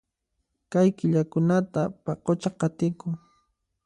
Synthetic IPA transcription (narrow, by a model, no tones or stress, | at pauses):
kajkɪʎakʊnat̪apɑqot͡ʃaqɑt̪ɪkʊŋ